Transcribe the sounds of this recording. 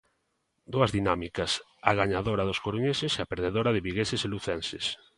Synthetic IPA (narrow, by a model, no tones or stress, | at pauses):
d̪uɐzðinamikɐs | aɣaɲaðoɾaðoskoɾuɲesɪseapeɾðeðoɾaðɪβiɣeseseluθɛnses